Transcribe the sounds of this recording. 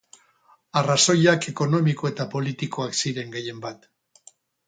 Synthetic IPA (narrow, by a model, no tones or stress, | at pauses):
araso̞jake̞ko̞no̞miko̞e̞t̪apo̞lit̪iko̞aksiɾe̞ŋɡeje̞mbat̪